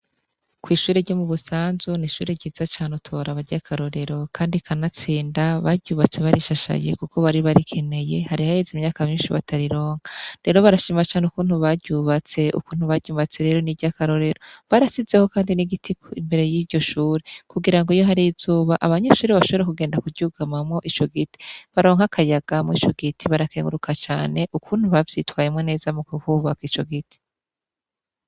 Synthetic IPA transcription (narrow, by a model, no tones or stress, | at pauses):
kwiːʃuːɾeɾɟomuβusaːnzuniʃuːɾeɟiːzat͡ʃaːnutʰo̞ɾaβaɾɟakʰaɾo̞ɾe̞ɾo̞kʰaːndikʰanat͡siːndaβaɟɟuβat͡se̞βaɾʔiʃaʃa̰jḛkukʰo̞βaɾiβaɾikʰe̞ne̞je̞haɾihahezimɲaːkamɲiːnʃiβa̰tʰaɾiɾo̞ːŋɡaɾe̞ɾo̞βaɾaʃiːmat͡ʃaːneukuːnhuβaɟuβat͡se̞ʔṵkuːn̥huβaɾɟuːβat͡se̞ɾe̞ɾo̞niɟakaɾo̞ɾe̞ɾoβaɾasize̞ho̞kaːndiniɡitʰikoimbe̞ɾe̞jiːɾɟo̞ʃuːɾekuɡiɾaŋɡoijo̞ɦaɾiizuːβaʔaβaɲe̞ʃuːɾeβaʃoβoɾekuɡe̞ːndakuduɡamamŋo̞ʔit͡ʃo̞ɡiti̥βaɾo̞ːŋhakʰajaɡ̥amŋit͡ʃo̞ɡitʰiβaɾakeŋɡuɾukʰat͡ʃaːne̞ʔukuːn̥huβavjitwaːjemŋwene̞ːzamukuhuβakit͡ʃo̞̰ɡiti̥